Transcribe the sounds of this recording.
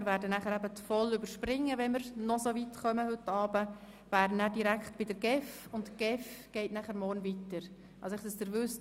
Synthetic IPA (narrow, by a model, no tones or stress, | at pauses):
ɪɾvæːɾdənæχəɾɛbətfɔlʏbəɾʃpɾɪŋːəʋɛnməɾnɔsovitχœməhɵtːɑːbə | væːɾənæːd̥iɾækχtb̥ɪdəɾɡ̥ɛfʊntɡ̥ɛfɡ̥ɛɪtnæχəɾmɔːɾnvitəɾ | ʔɑlsɔɪχdəsd̥əɾvʏst